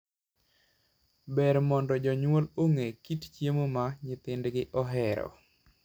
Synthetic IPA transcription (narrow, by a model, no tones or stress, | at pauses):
bɛɾmɔndɔd͡ʒɔɲwoloŋekitt͡ʃjemomaɲɪt̪ɪndɡɪʔɔɦɛɾɔ̰